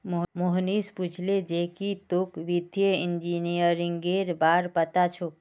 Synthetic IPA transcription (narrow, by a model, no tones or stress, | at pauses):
mmoɦnisput͡ʃʰled͡ʒeɦkit̪ukʋid̪ʱjəind͡ʒinijəɾiŋɡeɾbaɾpət̪at͡ʃʰu